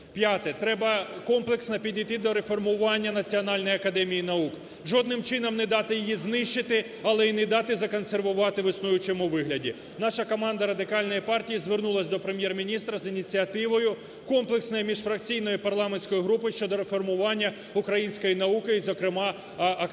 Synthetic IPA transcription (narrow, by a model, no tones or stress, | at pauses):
pʲjat̪ɛt̪ɾɛbɐkɔmplˠeksnɐpʲidʲijt̪ɪd̪ɔɾe̞fɔrmʊʋɑnʲːɐnɐt͡sʲiɔnɑlʲnɔjiɐkɐd̪ɛmʲijinɐuk | ʒɔd̪nɪmt͡ʃɪnɔmnɛd̪ɑt̪ɪjɪjiznɪʃt͡ʃɪt̪ɪ | ɐlˠɛinɛd̪ɑt̪ɪzɐkɔnserʋʊʋɑt̪ɪʋɪsnujʊt͡ʃɛmʊʋɪɦlʲɐdʲḭ | nɑʃɐkɔmɑnd̪ɐɾɐd̪ɪkɑlʲnɔjipɑrtʲijizʋernulˠɐsʲd̪ɔpɾemʲjɛrmʲinʲist̪ɾɐzinʲit͡sʲiɐt̪ɪʋɔjʊ | kɔmplˠeksnɔjimʲiʃfɾɐk̚t͡sʲijnɔjʊpɐrlˠɑmenʲsʲkɔjiɦɾupɪʃt͡ʃɔd̪ɔɾefɔrmʊʋɑnʲːɐ | ʊkɾɐjinʲsʲkɔjinɐukɪizɔkɾɪmɑ | ɐ